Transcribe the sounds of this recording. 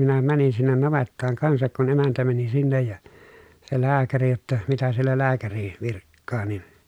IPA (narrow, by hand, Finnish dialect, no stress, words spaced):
minæ mænin sinːen nɑʋetːɑːŋ kɑnsɑk kun emæntæ mæni sinːej jɑ se læːkæri jotːɑ mitæ sielːæ læːkæri ʋirkːɑː nin